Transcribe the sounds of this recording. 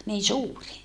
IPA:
niː suːri

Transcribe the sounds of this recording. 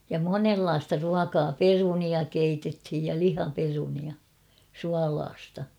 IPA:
jɑ monelːɑːstɑ ruɑkɑː peruniɑ keitethij jɑ lihɑperuniɑ suɑlɑːstɑ

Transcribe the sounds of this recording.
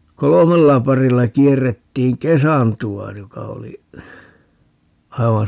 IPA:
kolomelːɑ pɑrilːɑ kierːetːiːŋ kesɑntuɑ jokɑ oli ɑiʋɑn

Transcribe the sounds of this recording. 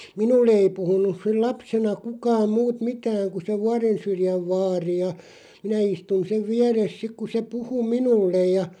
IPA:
minulːe ei puhunˑus sil lɑpsenɑ kukɑːm muːt mitæːŋ ku se ʋuɑrensyrjæʋ ʋɑːri jɑ minæ istun seʋ ʋiæres sik ku se puhu minulːej jɑ

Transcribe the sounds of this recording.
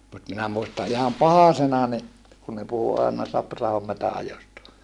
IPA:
mut minæ muistɑ ihɑm pɑhɑsenɑ ni kun ne puhu ɑˑenɑ sɑprɑhom metæɑjostɑ

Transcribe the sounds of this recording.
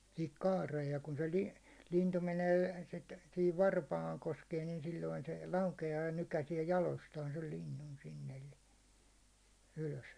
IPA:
sihik kɑːreːj jɑ kun̞ se li lintu meneː sit sihiʋ ʋɑrpɑːŋ koskeː nin silːoin se lɑukeɑː jɑ nykæsiɛ jɑlostɑːn sel linːun sinː elːi yløs

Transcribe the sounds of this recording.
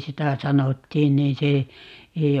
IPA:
sitæ sɑnotːiːn niːn̞ se ei

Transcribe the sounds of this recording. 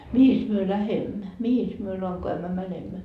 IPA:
mihis myø læhemːæ mihis myø lɑŋkoæmːæ mænemːæ

